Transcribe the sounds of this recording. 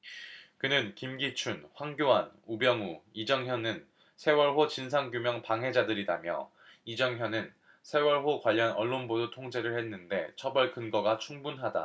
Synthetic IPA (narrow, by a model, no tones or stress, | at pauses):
kɯnɯnkimɡit͡ɕʰunɸwaŋɡjowanubjʌŋuid͡ʑʌŋjʌnɯn | sʰe̞wʌɭɦot͡ɕinsʰaŋɡjumjʌŋpaŋɦe̞d͡ʑadɯɾidamjʌ̰ | id͡ʑʌŋɦjʌnɯn | sʰe̞wʌɭɦokwaʎːʌnʌɭːonbodotʰoŋd͡ʑe̞ɾɯɭhenːɯnde̞t͡ɕʰʌbʌɭkɯnɡʌɡat͡ɕʰuŋbunɦada̰